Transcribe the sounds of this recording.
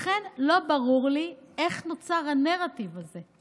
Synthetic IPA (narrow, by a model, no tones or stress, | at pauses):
χenlo̞baʁuʁlie̞χnot͡saʁhaneʁativaze̞